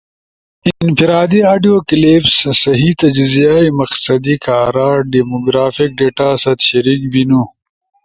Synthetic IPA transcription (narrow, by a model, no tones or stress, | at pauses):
ɪnfiɾaːd̪iaːɖijoːklipssɐɦit̪ɐd͡ʒzijajmɐqsɐd̪ikaːɾaːɖimoɡɾaːfik̚ɖeːʈaːsɐt̪ɕɐɾiːkbinu